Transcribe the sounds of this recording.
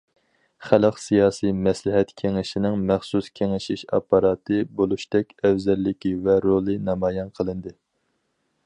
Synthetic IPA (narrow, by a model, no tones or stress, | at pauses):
χæləqsijɑːsijmɛslɪɦɛt̪kʲʰeŋɪʃinɪŋmæχsuskʲʰeŋɪʃiʃɑ̰pːɑɾɑːt̪ʰɨbolˠuʃt̪ɛkʲɛvzɛlːɪkʲivɛɾolˠɨnɑmɑːjɛnqʰəlˠɨnd̪ɨ